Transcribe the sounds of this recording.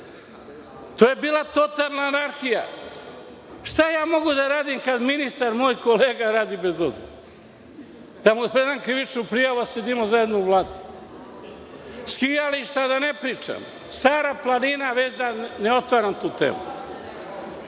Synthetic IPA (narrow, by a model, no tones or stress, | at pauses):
t̪oːje̞biːlˠat̪o̞t̪allnaːnaɾxija̰ | ʃt̪ajaːmo̞ɡud̪aɾaːd̪imkad̪minist̪aɾmoːjko̞leːɡaɾaːd̪iːbe̞zobziɾ | d̪̥amupɾed̪amkɾiʋit͡ʃnupɾijaʋused̪imozaje̞d̪nouʋlˠaːd̪u | skijaliʃt̪ad̪ane̞pɾiːt͡ʃa̰m | st̪aːɾaplˠaninaʋet͡ʃd̪aneot̪ʋaɾamt̪uːt̪ḛːmṵ